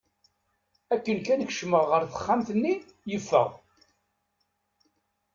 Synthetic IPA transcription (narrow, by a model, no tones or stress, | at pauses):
ækːənkænəkʃməʁːəɾθə̥χːamθənːi | jəfːə̰ʁ